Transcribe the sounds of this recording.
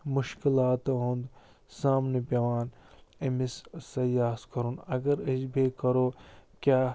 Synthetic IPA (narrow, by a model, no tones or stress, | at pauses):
mʊʃkilaːt̪ɦũnd̪ | saːmnepeʋaːnɐmissɐjaːskɐɾunɐɡɐɾɐd͡ʒbʱekɐɾoːkjaː